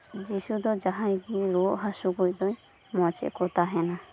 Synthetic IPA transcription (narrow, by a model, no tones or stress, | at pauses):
d͡ʒisud̪ɔd͡ʒaɦãjɡiɾɔʔɦasuɡɔjd̪ɔj | mɔt͡ʃɛ̰ʔkɔt̪aɦɛna